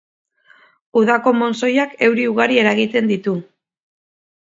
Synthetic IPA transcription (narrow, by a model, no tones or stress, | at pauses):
uðako̞mo̞nso̞jake̞wɾiuɣaɾie̞ɾaɣit̪e̞nd̪it̪u